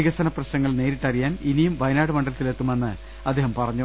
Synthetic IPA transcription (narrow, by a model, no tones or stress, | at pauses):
iɣɐsɐnɐprɐɕnɐŋːɐɭne̞ːɾiʈːɐrijaːninijumʋɐjnaːɽɨmɐɳɖɐlɐt̪ːile̞t̪ːume̞nːɨ | ɐd̪ʱːeːhɐmpɐrɐɲːu